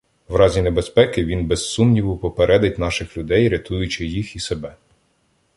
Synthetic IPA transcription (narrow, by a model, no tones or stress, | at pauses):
ʋɾɑzʲinebespɛkɪʋʲinbesːumnʲiʋʊpɔpeɾʔɛd̪ɪtʲn̪ɑʃɪxlʲʊd̪ɛjɾʲɐt̪ujʊt͡ʃɪjixisebɛ